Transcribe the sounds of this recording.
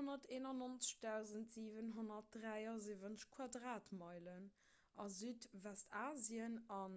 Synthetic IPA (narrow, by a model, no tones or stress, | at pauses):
onɐteːnɑnont͡sə̥ʃd̥æʊzəntz̥iːvənɦonɐt̚dʁæɪɑziːvənʃkʰwɑdʁaːtmɑɪlən | ɑzyːtvɛstʰaːziənɑn